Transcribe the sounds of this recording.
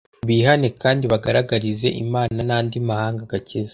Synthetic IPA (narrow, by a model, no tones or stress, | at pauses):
βiːhanekaːndiβaɡaɾaɡaɾize̞̰ʔḭmaːnanaːndimahaːŋɡaɡacez